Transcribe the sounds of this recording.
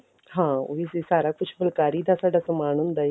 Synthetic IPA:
hãuʋisisaɾak̚put͡ɕʰfəlkaɾiːd̪asaʈəsəmaɽ̃uːnd̪aj

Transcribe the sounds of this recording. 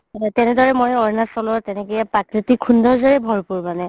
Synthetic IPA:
tɛnɛdɔɹɛmɔjɔɹnasɔlɔɹtɛnɛkɔjapakɹitikʰːundʱɔɹzɔɹɛbʱɔɹpuɹmanɛ

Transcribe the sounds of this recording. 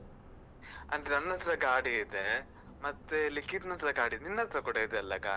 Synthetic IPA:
ɐ̰nd̪ɾeɐnːɐt̪ɾɐɡaːɽiːd̪e | mɐt̪ːelikːit̪nɐnt̪ɾɐɡaːɽid̪eninːɐt̪ɾɐkɔɽɐid̪eɐlːɐɡa̰ːi

